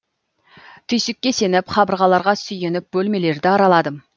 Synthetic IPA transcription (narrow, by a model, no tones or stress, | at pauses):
t̪ʰʏjsɪkʲːe̞se̞nɪpχʰɑbəɾʁɑlˠɑɾʁɑsʏje̞nɪp̚bɵlme̞le̞ɾd̪ɪɑɾɑlˠɑd̪əm